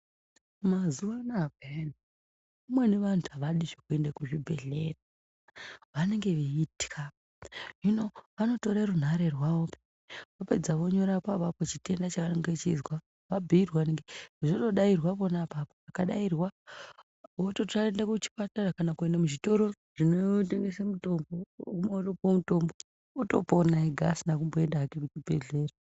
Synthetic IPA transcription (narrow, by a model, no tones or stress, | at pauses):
mazuʋanakeen | umweneʋanʰuaʋaɗiʐokue̞ndakuʐibʱe̞̰ɮe̞ra | ʋane̞ŋɡe̞ʋiiti̥ka | jino̞ʋano̞toɾarun̤aɾerwaope̥ | ʋape̞d͡zaʋo̞ɲo̞ɾapapapot͡ʃite̞ndat͡ʃaaneŋɡet͡ʃizwa | ʋabʱiirwaneŋɡeiʐoɗo̞ɗairwaponapapoakaɗairwa | ʋototraendakut͡ʃi̥patarakanakuendamuʐito̞ɾo̞ | ʐ̥inoteŋɡesemuto̞mbokumoropomuto̞mbo̞ | uto̞̰ponaeɡʱasinak̬umboe̞ndaːkekutibʱe̞̰ɮe̞ːra